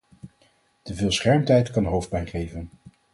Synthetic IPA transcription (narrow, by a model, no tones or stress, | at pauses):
təvɪːlˠsχɛɹmtɛjtkɑnɦowfd̚bɛjχejvən